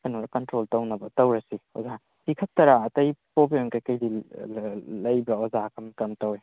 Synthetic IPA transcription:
kʰɐnoɾɐkɐntɾoltɐwnɐbɐtɐwɾɐsio̰za | hikʰɐp̚tɐɾaːtɐjpopioŋkɐjkɐjdi | lɐjbɐozakʰɐmkɐmtɐwe

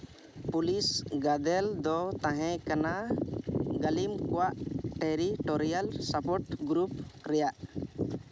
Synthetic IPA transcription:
pulisɡad̪ɛld̪ɔt̪ãɦɛ̃kana | ɡalimkɔwaʔʈeɾiʈɔɾijalsapɔʈɡɾup̚ɾɛjaʔ

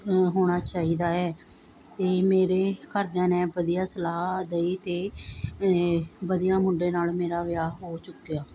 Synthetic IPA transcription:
ɦoːɽ̃aːt͡ʃaːiːd̪aːɛː | t̪eːmeːɾeːkəɾd̪jãːnɛ̃ːʋəd̪ijaːsəlaːd̪eiːt̪eː | ʋəd̪ijãːmʊɳɖeːnaːlmeːɾaːʋɪjaːɦoːt͡ʃʊkːejaː

